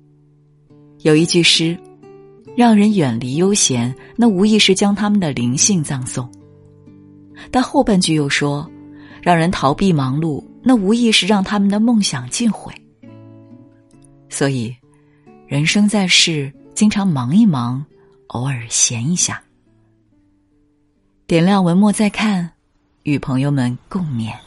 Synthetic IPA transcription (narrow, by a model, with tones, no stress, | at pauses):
jo˨˩ʊi˥˧t͡ɕy˥˩ʂɻ̩˥ | ɻɑ˥˩ŋɻə˧˥nɥɛ˨˩nli˧˥jo˥ʊɕjɛ˧˥nna˥˩u˧˥i˥˧ʂɻ̩˥˩t͡ɕjɑ˥ŋt̪ʰa˥mə˨nd̪ə˩li˧˥ŋɕi˥˧ŋt͡sɑ˥˧ŋsʊ˥˩ŋ | t̪a˥˧nxo˥˧ʊpa˥˩nt͡ɕy˥˩jo˥˩ʊʂwɔ˥ɻɑ˥˩ŋɻə˧˥nt̪ʰɑ˧˥ʊpi˥˩mɑ˧˥ŋlu˥˩na˥˩u˧˥i˥˧ʂɻ̩˥˧ɻɑ˥˩ŋt̪ʰa˥mə˨nd̪ə˩mɤ˥˩ŋɕjɑ˨˩ŋt͡ɕi˥˩nxwḛ˨˩˦ɪ | swɔ˧˥i˨˩ | ɻə˧˥nʂɤ˥ŋt͡sa˥˧ɪʂɻ̩˥˩ | t͡ɕi˥ŋʈ͡ʂʰɑ˧˥ŋmɑ˧˥ŋi˥˩mɑ˧˥ŋ | o˧˥ʊə˞˨˩ɕjɛ˧˥ni˧˥ɕja̰˥˩ | t̪jɛ˨˩nljɑ˥˩ŋwə˧˥nmwɔ˥˧t͡sa˥˧ɪkʰa˥˩n | y˨˩pʰɤ˧˥ŋjo˥˧ʊmə˨˩nko˥˩ŋmjɛ̰˨˩˦n